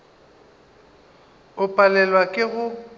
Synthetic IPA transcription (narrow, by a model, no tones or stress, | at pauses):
ʊpʼalɛlwakʼɪɣʊ